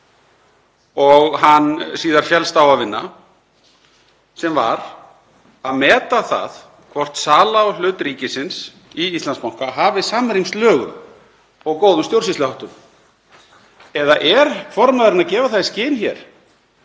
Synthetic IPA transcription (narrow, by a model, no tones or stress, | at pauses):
ɔɣɦanːsiːðaɾ̥fjɛlst̪aːwavɪnːa | sɛmva̰ɾ | aðmɛːt̪aθa̰ð | kʰvɔr̥t̪saːlawlʏːt̪ɾiːcɪsɪns | iist̪lanspawŋ̥kaɦaːvɪsaːmɾimst̪lœːɣʏ̰m | ɔɣkoːwðʏmst̪jowɾrsislɪhawht̪ʏm | ɛðaʔɛɾ̥fɔɾmaðɾɪnacɛːvaθascɪːnçɛɾ̥